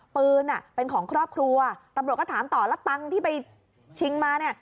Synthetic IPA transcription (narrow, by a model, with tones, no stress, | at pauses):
pɯː˧nʔa˨˩pe˧nkʰɔː˩˦ŋkʰɾɔː˥˩p̚kʰɾu˧ɐt̪a˧mɾu˨˩t̪̚kːt̪ʰaː˩˦mt̪ɔː˨˩la˦˥t̪a˧ŋt̪ʰiː˥˩pa˧j | t͡ɕʰi˧ŋmaː˧ni˥˩ɐ